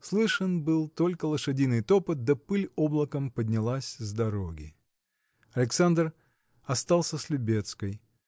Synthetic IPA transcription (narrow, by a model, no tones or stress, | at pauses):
slˠɨʂənbɨlˠt̪o̞lʲkəlˠəʂɨdʲinɨjt̪o̞pət̪̚d̪ɐpɨlʲoblˠəkəmpədʲnʲɪlˠasʲzd̪ɐɾoɡʲɪ̰ | ɐlʲɪksand̪r | ɐst̪alˠsʲəslʲʊbʲe̞t̪skəj